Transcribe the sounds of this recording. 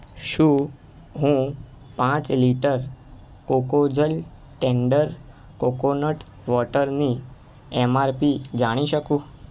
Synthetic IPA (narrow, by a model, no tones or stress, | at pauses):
ʃũ | ɦũ | pãt͡ʃliʈəɾ | kokod͡ʒəl | ʈɛɳɖəɾ | kokonəʈ | ʋɔʈəɾni | ɛmaɾpid͡ʒaɽ̃iʃəkũ